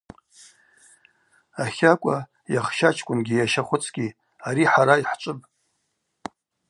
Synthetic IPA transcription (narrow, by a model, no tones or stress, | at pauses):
aχʲakʷʼa | jaχʃat͡ʃʰkʷʼʊnɡʲijaʃaχʷʊt͡sʰɡʲi | aɾiħaɾaiħt͡ʃʷʼɨpʼ